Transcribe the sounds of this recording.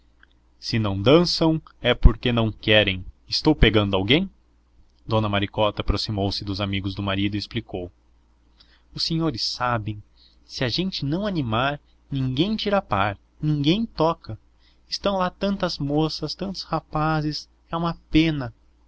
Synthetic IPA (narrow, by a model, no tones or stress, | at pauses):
sɪnɐ̃w̃d̪ɐ̃sɐ̃w̃ɛpoɾkenɐ̃w̃kɛɾẽj̃ | ɪst̪owpeɡɐ̃nd̪ʊawɡẽj̃ | d̪õnɐmaɾikɔt̪ɐːpɾosimowsɪd̪ʊzamiɡʊzd̪ʊmaɾid̪ʊiesplikow | ʊseɲoɾɪsːabẽj̃ | sɪaʒẽnt͡ʃɪnɐ̃w̃animaɾ | nĩŋɡẽj̃t͡ʃiɾapaɾ | nĩŋɡẽj̃t̪ɔkɐ | ɪst̪ɐ̃w̃lat̪ɐ̃nt̪ɐzmosɐst̪ɐ̃nt̪ʊ̥shapazɪs | ɛũmɐpẽnɐ